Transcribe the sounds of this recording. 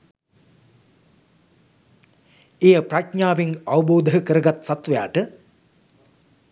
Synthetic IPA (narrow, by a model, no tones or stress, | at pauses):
ejəpraʈɲaːʋeŋaʋəboːd̪əɦəkəɾəɡat̪sat̪ʋɐja̰ːʈə